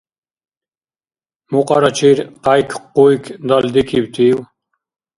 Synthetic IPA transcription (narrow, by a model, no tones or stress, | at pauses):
muqʼɑɾat͡ʃʰiɾqajkʰqːujkʰd̪ald̪ikʰiwt̪ʰiw